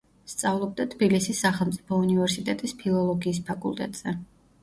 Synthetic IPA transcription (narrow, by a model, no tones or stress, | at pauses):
st̪sʼavlˠɔb̚d̪at̪ʰbilisisːaχɛlˠmt̪sʼipʰɔunivɛɾsit̪ʼɛt̪ʼispʰilˠɔlˠɔɡiːs̬pʰakʼṵlˠt̪ʼɛ̰t̪ʼz̥ɛ